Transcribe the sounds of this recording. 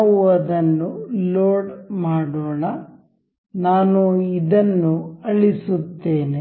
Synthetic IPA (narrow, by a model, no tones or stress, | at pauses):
uʋɐd̪ɐnːuloːɖmaːɽoːɳɐ | naːnuid̪ɐnːuɐɭisut̪ːeːne